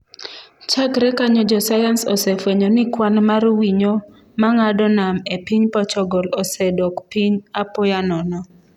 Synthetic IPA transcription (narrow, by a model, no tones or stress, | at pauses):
t͡ʃakɾɛkaɲɔd͡ʒɔsajansɔsɛfwɛɲɔnɪkwanmaɾwiɲo | maŋadɔnamepiɲpɔt͡ʃɔɡɔlɔsɛdɔkpiɲapɔjanɔnɔ